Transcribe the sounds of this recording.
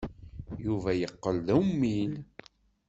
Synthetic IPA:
juvæjəqːəlðæwmːil

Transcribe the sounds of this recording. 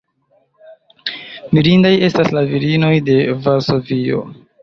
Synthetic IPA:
miɾindaje̞staslaviɾino̞jde̞vaɾso̞vio̞̰

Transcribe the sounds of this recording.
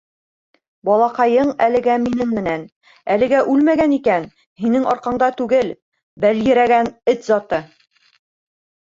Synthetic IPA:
bɒlˠɑqɑjɤɴælɘ̆ɡæminɘŋmɘ̆næn | ælɘ̆ɡæʔʉlmæɡænikæn | hinɘŋɒɾqɑɴd̪ɑt̪ʉɡɘl | bæljɘ̆ɾæɡænɘt̪zɑt̪ɤ

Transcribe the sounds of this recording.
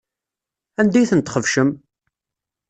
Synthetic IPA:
ænd̪æjθənt̪χəvʃəm

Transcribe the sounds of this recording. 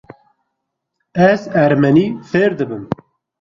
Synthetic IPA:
ɛzæɾmɛniːfeːɾd̪ɨbɨm

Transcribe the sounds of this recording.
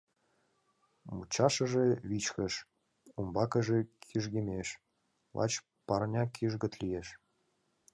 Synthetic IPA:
mut͡ɕɑʃə̆ʒeβit͡ɕkə̆ʃ | umbɑkə̆ʒekʰiʒɡemʲeʃ | βɑ̰t͡ɕ | pɑrnʲɑkʰiʒɣə̆t̪lijeʃ

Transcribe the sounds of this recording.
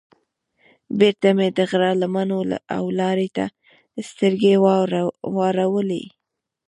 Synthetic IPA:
beɾt̪amed̪əɣɾɑlamanola̰a̰wlɑɾet̪a | st̪əɾɡe | wɑɾawəlḛ

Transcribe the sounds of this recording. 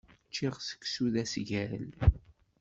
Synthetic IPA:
t͡ʃːɪʁsə̥kːsuðæsʝæɾəl

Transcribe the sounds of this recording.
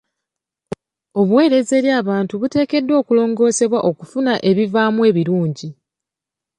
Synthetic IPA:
o̞βwe̞ːɾe̞ze̞ːɾjaːβaːntuβute̞ːke̞dːwo̞ːkulo̞ːŋɡo̞ːse̞βwaʔo̞kufunaʔe̞βivaːmwe̞ːβiɾuːɲɟi

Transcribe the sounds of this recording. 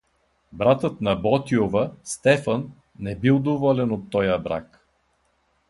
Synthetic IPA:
bɾat̪ət̪nɐbɔt̪iovəst̪ɛfənː | ɛbilˠd̪ovɔlɛnot̪ːɔjəbɾa̰k

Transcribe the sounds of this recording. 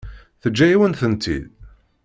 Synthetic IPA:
θəd͡ʒːæjiwənθənt̪ḭð

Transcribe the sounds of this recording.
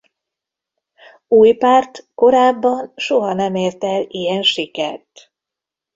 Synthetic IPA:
uːjpaːrt̪ko̞ɾaːbːɒnʃoɦɒnɛmeːrt̪ɛlijɛnʃikɛ̰rt̪

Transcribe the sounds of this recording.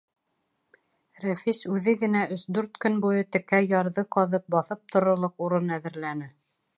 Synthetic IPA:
ræfisʉðɘɡɘ̆næʔɵsd̪ʉɾt̪kɵnbujɤt̪ɘ̆kæjɑɾðɤqɑðɤp̚bɑθɤp̚t̪ʰŏɾŏlˠɤquɾɤnæðɘ̆ɾlænɘ

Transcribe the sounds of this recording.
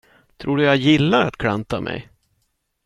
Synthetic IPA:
t̪ʰɾuːɖɵjajɪlːaɾat̪kʰɽant̪amʔɛ̰j

